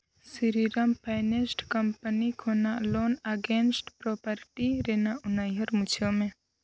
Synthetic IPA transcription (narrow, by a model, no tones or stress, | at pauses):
siɾiɾəmpʰajnesʈkɐmpənikʰoːnaloːnəɡeːnsʈpɾopəɾʈiɾenaʊnajɦəɾmut͡ʃʰomẽ